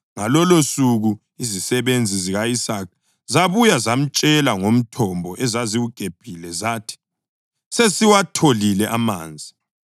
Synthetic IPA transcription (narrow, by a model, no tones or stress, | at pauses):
ŋalɔlosuɣu | izisɛβend͡zʱiziɣaisak̚ʰ | zaβujazam̩t͡ʃʼɛlaŋom̩tʰɔmbʱɔʔɛzaziwuɡ̥ʱeb̥ʱilɛzaːtʰi̥ | sesiwatʰolilɛʔama̰ːnd͡zʱi